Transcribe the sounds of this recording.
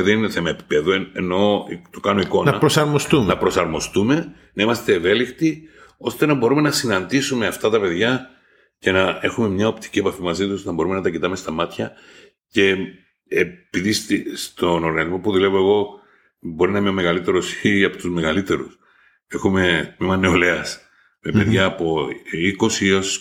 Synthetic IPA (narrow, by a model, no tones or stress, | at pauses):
ðenineθe̞mɐepi̥peðueeno̞t̪okɐno̞iko̞nɐpɾosɐɾmost̪umnɐpɾosɐɾmo̞st̪ume̞ | nɐimɐst̪e̞ːve̞lixt̪io̞st̪e̞nɐbo̞ɾume̞nɐsinɐnd̪isume̞ɐft̪ɐt̪ɐpe̞ðʝɐ | ce̞nɐe̞xume̞mɲɐo̞pt̪i̥cie̞pɐfimɐzit̪̬uosnɐbo̞ɾume̞nɐt̪ɐcit̪ɐme̞st̪ɐmɐt̪çɐ | ce̞ | piðist̪ist̪o̞no̞ɾɣɐnizmo̞puðule̞vo̞eɣo̞ | bo̞ɾinɐimeme̞ɣɐlit̪e̞ɾosiɐpot̪uzme̞ɣɐlit̪e̞ɾṵs | e̞xume̞t̪mimɐne̞o̞le̞ɐs | mepe̞ðʝɐːpoiko̞sios